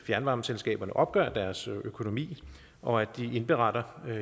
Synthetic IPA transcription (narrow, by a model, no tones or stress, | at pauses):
fjæɐnʋɑ̈mselsɡ̥ɛ̰ːb̥ɐnəʔɒ̽b̥ɡ̥œ̰ɐd̥æɐsøkʰo̝no̝mḭː | ʔɒ̽æd̥iʔe̝nb̥e̝ʁɑ̈ɾ̥ɐ